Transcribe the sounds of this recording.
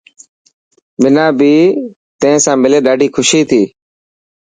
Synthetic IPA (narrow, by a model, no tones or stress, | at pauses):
mɪnãːbiː | t̪ẽɪ̃ːsãːmɪleːɗaːɖʱiːkʰʊʃiːt̪ʰiː